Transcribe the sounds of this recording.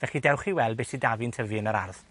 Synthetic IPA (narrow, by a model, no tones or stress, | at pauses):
vɛχidɛwχiwɛlˠd̚besidavintʰəvɨənəɾa̰rð